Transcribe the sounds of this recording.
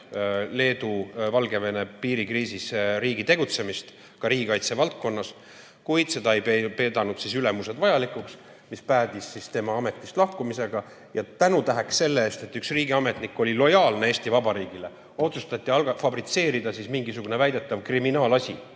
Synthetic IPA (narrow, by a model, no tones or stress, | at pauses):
le̞ːd̪̥uvɑlɡ̥e̞ve̞ne̞piːɾikriːsisɾiːɡit̪e̞ɡ̥ut̪se̞mist̪ | kɑɾiːɡikɑjt̪se̞vɑlt̪̚ko̞nːɑs | kujd̪̥se̞d̪ɑejepe̞ːd̪ɑnud̪̥sisyle̞muse̞d̪vɑjɑlikːˑuks | mispæːd̪̥isːist̪e̞mɑɑme̞t̪ːˑist̪lɑhkumise̞ɡ̥ɑ | jɑt̪ænut̪æɦeksse̞lːeeːst̪e̞t̪ːyksriːɡiɑme̞t̪nikːo̞lʲilo̞jɑːlnee̞ːst̪ivɑbɑɾiːɡ̥ile̞ | o̞t̪sust̪ɑt̪ˑːiɑlɡɑfɑbɾit̪se̞ːɾid̪ɑsismiŋɡisuɡ̥une̞væjd̪e̞t̪ːɑvkriminɑːlɑsʲi